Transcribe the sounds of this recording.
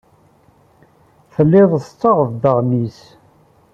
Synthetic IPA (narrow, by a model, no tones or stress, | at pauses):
fəlːɪðˤəst͡sːɑʁəvd̪əʁmis